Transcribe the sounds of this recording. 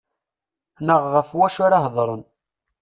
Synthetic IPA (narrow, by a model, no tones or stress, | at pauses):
nəʁːəfwæʃʊɾaɦðˤɾˤən